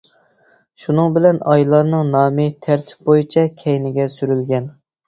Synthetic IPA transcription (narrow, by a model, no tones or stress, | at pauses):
ʃunɨŋbɪlɛnɑjlˠɑɾnɨŋnɑːmɨt̪ʰæɾt̪ʰɪ̥p̚bojit͡ʃʰɛkʲʰɛjnɪɡʲɛsyɾylɡʲɛn